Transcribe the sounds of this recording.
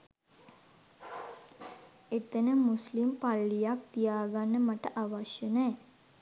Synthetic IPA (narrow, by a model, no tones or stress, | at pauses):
et̪ənəmuslimpalːijak̚t̪ijaːɡanːəmaʈəʔaʋaʃjənɛː